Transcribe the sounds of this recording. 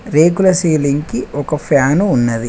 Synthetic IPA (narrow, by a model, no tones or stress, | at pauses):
ɾeːkulɐsiːliŋkiɔkɐpʰjaːnuːnːɐd̪i